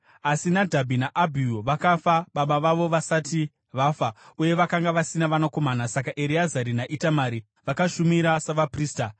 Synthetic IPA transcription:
asinadʱabʱinaʔabʱijoʋakafaɓaɓaʋaʋo̞ʋasati | ʋafauje̞ʋakaŋɡaʋasinaʋanako̞manasakaʔeɾiazaɾinaʔitamaɾi | ʋakaʃumiɾasaʋapriːsta

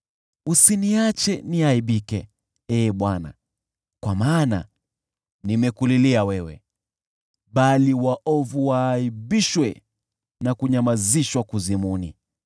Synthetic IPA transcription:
usiniat͡ʃɛniaiɓikɛ | ɛːɓwana̰ | kwamaːna̰ | nimɛkuliliawɛwɛ̰ | ɓaliwaʔɔvuwaːiɓiʃwɛ | nakuɲamaziʃwakuzimunḭ

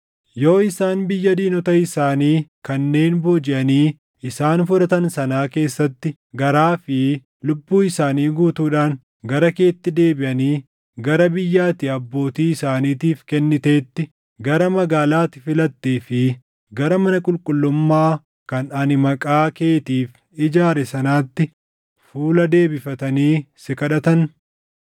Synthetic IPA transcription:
jo̞ːɪsaːnbɪjːɐd̪iːnɔt̪ɐɪsaːniːkɐnːe̞ːnboːd͡ʒɪʔɐniː | ɪsaːnfʊᶑɐt̪ɐnsɐnaːke̞ːsːɐt̪ːɪ | ɡɐɾaːfɪ | lʊbːuːɪsaːniːɡuːt̪uːᶑaːn | ɡɐɾɐke̞ːt̪ːɪd̪e̞ːbɪʔɐniː | ɡɐɾɐbɪjːaːt̪ɪɐbːo̞ːt̪iːɪsaːniːt̪iːfkɛnːɪt̪eːt̪ːɪ | ɡɐɾɐmɐɡaːlaːt̪ɪ̥fɪlɐt̪ːeːfɪ | ɡɐɾɐmɐnɐkʼʊlkʼʊlːʊmːaː | kɐnɐnɪmɐkʼaːke̞ːt̪iːf | ɪd͡ʒaːɾɛsɐnaːt̪ːɪ | fuːlɐd̪e̞ːbɪfɐt̪ɐniːsɪkʼɐᶑɐt̪ɐn

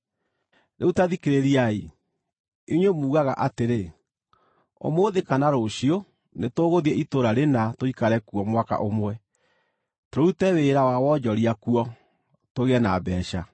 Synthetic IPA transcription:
nʔeutaðikeɾeɾiai | iɲwemuːɣaɣa̰ʔateɾe | o̰moːðekanaɾoɕio | netoːɣoðiɛʔitoɾaɾenatoikaɾɛkuɔmwaka̰ʔomwɛ | toɾoutɛβeɾawawɔd͡ʒɔɾiakuɔ | toɣɛnabɛːʃa

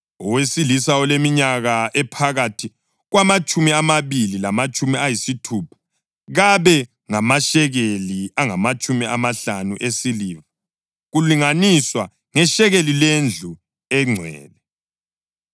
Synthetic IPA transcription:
ɔwesilisawɔlemiɲaɣaʔɛpʰaɣatʰi | ɣwamat͡ʃʼumiamaβililamat͡ʃʼumiajisitʰuːpʰḁ | ɣaβɛ | ŋamaʃɛɣeliaŋamat͡ʃʼumiʔamaɬanuʔesiliːβa | ɣuliŋaniswa | ŋɛʃɛɣelilend͡ɮʱu | ɛŋ͡ǀʱwɛ̰ːlɛ

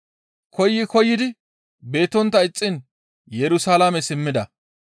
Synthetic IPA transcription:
kɔjːɪkɔjːɪd̪ɪ | be̞ːt̪ɔnt̪ːɐɪt͡sʼːɪn | jɛɾʊsaːlamɛsɪmːɪd̪ɐ

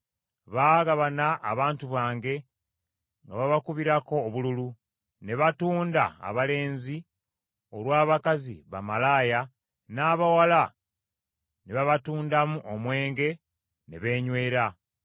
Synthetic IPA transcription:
βaːɣaβanaʔːβaːntuβaːŋɡe̞ | ŋɡa̰βaβakuβiɾako̞ːβululu | ne̞βatuːnda̰ːβale̞ːnzi | olwaːβakazḭβa̰malaːja | naːβawala | neβaβatuːndamuʔomwe̞ːŋɡe̞ | neβe̞ːɲweːɾa

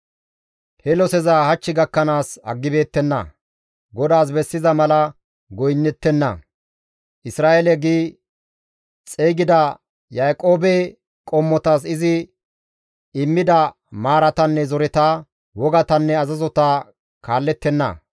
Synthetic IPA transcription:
hɛlɔsɛzahɐt͡ʃːɪɡɐkːɐnaːsɐ̰ɡːɪbe̞ːt̪ːɛnːɐ̰ | ɡɔd̪aːs̬bɛsːɪzɐmɐlɐ | ɡɔjnːɛt̪ːɛnːɐ̰ | ʔɪsɾaːelɛɡiː | t͡sʼeːɡɪd̪ɐ | jaːkʼo̞ːbɛ | kʼɔmːɔt̪aːsɪzɪ | ɪmːɪd̪ɐ | maːɾɐt̪ɐnːɛzɔɾɪt̪aː | wɔɡɐt̪ɐnːɛɐzɐzɔt̪a | kaːlːɛt̪ːɛnːɐ̰

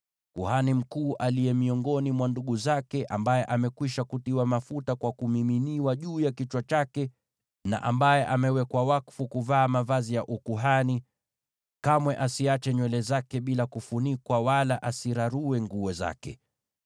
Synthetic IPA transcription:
kuhanim̩kuːʔalijɛmiɔŋɡɔnimwanduɠuzakɛʔambajɛʔamɛkwiʃakutiwamafutakwakumiminiwaʄuːjakit͡ʃwat͡ʃakɛ | na̰ʔambajɛʔamɛwɛkwawakfukuvaːmavazijaʔukuɦani | kamwɛʔasiat͡ʃɛɲwɛlɛzakɛɓilakufunikwawalaʔasiɾaɾuɛŋɡuɛza̰kɛ̰

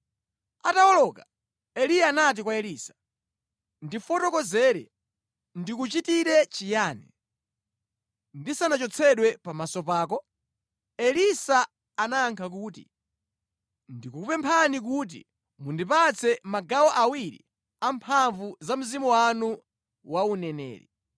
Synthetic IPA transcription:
atawɔlɔka | ɛlijaːnat̬ikwaɛliːsḁ | ndifɔtɔkɔzɛːɾɛ̰ | ndikut͡ʃitiɾɛt͡ʃijaːnɛ̰ | ndisanat͡ʃɔt͡sʰɛɗwɛpamasɔpaːkɔ | ɛlisaː | naːŋkʰak̬uːtḭ | ndikuupɛmpʰanik̬uːt̬ḭ | mundip̬at͡sʰɛmaɡawɔʔawiɾḭ | ampʰaɱvuzam̩zimuwanu | waunɛnɛ̰ːɾḭ

